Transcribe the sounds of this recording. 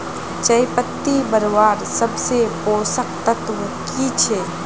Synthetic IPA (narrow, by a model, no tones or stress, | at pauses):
t͡ʃəɪpət̪ːibəɾʋaːɾsəbsepoːsək̚t̪ət̪ʋə | kit͡ʃʰeː